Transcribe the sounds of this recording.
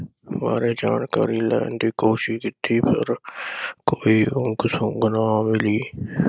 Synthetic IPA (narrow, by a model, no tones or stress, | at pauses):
maːɾed͡ʒaːnkaːɾiːlɛ̰ːɳdiːkoːʃɪʃkɪt̪ʰiːpʰə̰ɾkoːiːʊ̃ŋɡsʊ̃ɡʊnaːmɪliː